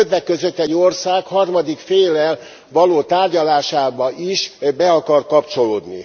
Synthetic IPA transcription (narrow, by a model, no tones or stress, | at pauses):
øt̪vɛkːøzø̞t̪ːɛɟːo̞rsaːkhɒrmɒd̪ikfeːlːɛl | ʋɒloːt̪aːrɟɒlaːʃaːbɒʔiʃbɛɒkɒrkɒpt͡ʃo̞loːd̪nḭ